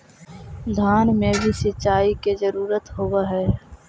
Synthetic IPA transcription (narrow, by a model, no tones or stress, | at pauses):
d̪ʱaːnmẽbʱisɪt͡ʃːaːikezəɾuːɾət̪ɦowaɦɛː